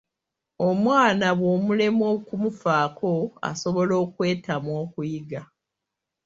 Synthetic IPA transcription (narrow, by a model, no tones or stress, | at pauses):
o̞mwaːnaβwo̞mule̞mokumufaːkʰo̞a̰so̞βo̞lo̞ːkwe̞ːtamwo̞ːkujiɡa